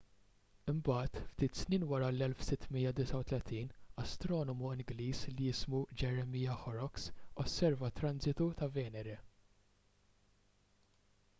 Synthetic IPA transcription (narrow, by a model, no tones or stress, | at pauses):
ɪmbɐːt̪ft̪iːt̪sniːnwɐɾɐlɛlfsɪt̪ːmiːjːɐd̪ɪsɐwt̪lɛt̪iːnɐst̪ɾɔːnɔmuɪŋɡliːslijɪsmud͡ʒɛɾɛmiːjɐħɔɾɔksɔsːɛɾvɐt̪ːɾɐnzɪt̪ut̪ɐvɛːnɛɾɛ